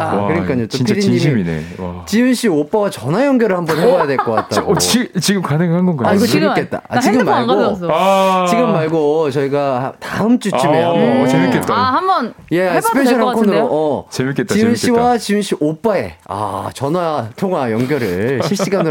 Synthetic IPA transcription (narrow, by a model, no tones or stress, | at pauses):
kɯɾʌɲik͈aɲd͡ʑett͡ɕ͈oipʰiɾiɲiiinḛ | t͡ɕiɯnɕ͈ʰiop͈awat͡ɕʌnwajʌŋɡjʌɾɯɭhambʌnhebʌjadwe̞ɭk͈ʌk͈a̰t̚t͈a̰ɡit͡ɕiɡɯmkanɯŋɯɭɦhanɡʌnɡaaiɡʌemik͈ʰe̞t̚t͈a̰a̰t͡ɕiɡɯmːaɭɡɡo | t͡ɕiɡɯmːaɭɡot͡ɕʌiɡataɯmt͡ɕ͈uimeamoemiket͈aambʌnje̞asɯ̥pʰenɕʰʌnɦakʰonɯɾoʔʌt͡ɕemiket͈̚ːiɯnɕiwat͡ɕiunɕ͈ʰiʔop͈ae̞̰a̰t͡ɕʌnwatʰoŋwajʌŋɡjʌɾɯɭɕʰiɭɕ͈iɡanɯ